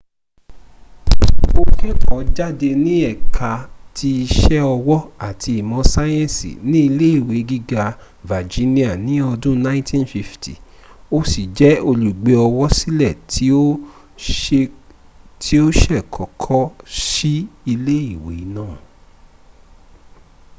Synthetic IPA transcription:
o˧kɛ˦kɔ˨˦d͡ʒa˦de˧nĩ˦ɛ˦˨kʰa˨˧tʰi˧i˧ʃɛ˦ɔ˧wɔ˦a˨tʰi˧i˨mɔ̃˨˧˦sa˦jɛ̃˦˨sḭ˨nĩ˦i˧le˦i˦˨we˨˦ɡi˦ɡa˧ | va˨d͡ʒi˨˦nĩ˦a˦˨nĩ˨˦ɔ˧dũ˦nã˦ĩ˦tĩ˦nfi˧ftʰi˨ | o˦si˨d͡ʒɛ˨˦o˧lu˨ɡ͡be˨˧˦ɔ˧wɔ˦si˦lɛ˦˨ti˦o˦ | e˧ | tʰi˨˦o˦ʃɛ˦˨kʰɔ˨kʰɔ˦ʃi˦i˧le˦i˦˨wḛ˨˦nãː˦˨

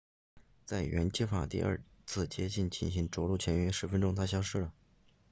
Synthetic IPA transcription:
t͡sa˥˩ɪɥɛ̰˧˥nt͡ɕjɛ˥fa̰˨˥˩t̪ḭ˥˧ʔɐ̰˞˥˧t͡sʰɹ̩˥˩t͡ɕjɛ˥t͡ɕi˥˩nt͡ɕʰi˥˩nɕi˥˩ŋʈ͡ʂwɔ˧˥lu˥˩t͡ɕʰjɛ˧˥nɛ˥ʂɻ̩˧˥fə˥nʈ͡ʂʊ˥ŋt̪ʰa˥ɕ̬jɑ˥ʊʂɻ̩˥˩lə˩

